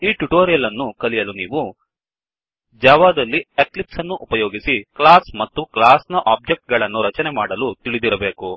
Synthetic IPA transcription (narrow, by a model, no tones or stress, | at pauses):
iːʈuʈoːɾijɐlɐnːukɐlijɐluniːʋu | d͡ʒaːʋaːd̪ɐlːieklipsɐnːuʔupɐjoːɡisiklaːsmɐt̪ːuklaːsnɐʔaːb̚d͡ʒek̚ʈ̚ɡɐɭɐnːuɾɐt͡ʃɐnemaːɽɐlut̪iɭid̪iɾɐbe̞ːku